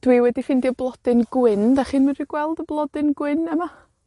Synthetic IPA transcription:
d̥wiwɛdifɪndiɔblˠɔd̥ɨnɡwɪnd̥aχiːnmanriɡ̥wɛlˠdəblˠɔdɨnɡwɪnɛma

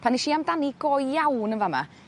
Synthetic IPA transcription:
pʰaniʃiːamdaniɡ̥ɔjjawnənvama̰

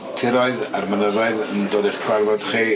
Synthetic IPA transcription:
tʰɪɾɔɨðarmənəðaɨðəndoːdiχkʰwarvɔd̥χiː

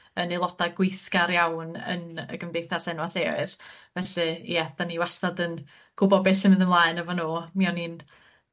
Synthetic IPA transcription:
ənelˠɔdaɡwɪjθkaɾjawnə̰nə̰ɡəmvejθasɛnwaɬɛɨðvɛɬɨjɛd̥aniwasnadən | ɡ̥ʊbɔd̚bɛsəmɪnðəmlˠaːɨnəvɔnoːmiɔnin

